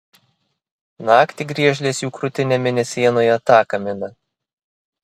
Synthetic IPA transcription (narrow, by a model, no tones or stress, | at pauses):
nɑːkt̪ʲiːɡɾʲiɛʒʲlʲeːsjuːkɾʊt̪ʲɪnʲɛmʲɪnʲɛsʲiɛnoːjɛt̪ɑːkɐmʲɪnɐ